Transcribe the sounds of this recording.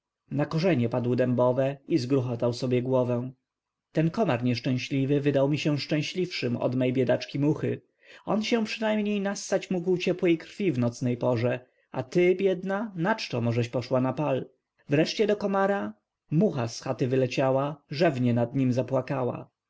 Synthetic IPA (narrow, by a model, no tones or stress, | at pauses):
nakɔʐɛɲɛpad̪wd̪ɛmbɔvɛizɡɾuxɔt̪awsɔbʲjɛɡwɔvɛw̃ | t̪ɛnkɔmaɾɲɛʂt͡ʂɛ̃w̃ɕlʲivɘvɘd̪awmʲiɕɛ̃ʂt͡ʂɛ̃w̃ɕlʲifʂɘmɔ̰d̪mɛjbʲjɛd̪at͡ʂkʲimuxɘ | ɔnɕɛ̃pʂɘnajmɲejnast̪at͡ɕmuɡwt͡ɕɛpwɛjkɾ̥fʲivnɔt̪snɛjpɔʐɛ | a̰t̪ɘbʲjɛd̪nanat͡ʂt̪ɔmɔʐɛʃpɔʂwanapal | vɾɛʂt͡ɕɛd̪ɔkɔmaɾa | muxasxat̪ɘvɘlɛt͡ɕawaʐɛvɲɛnad̪ɲimzapwakawa̰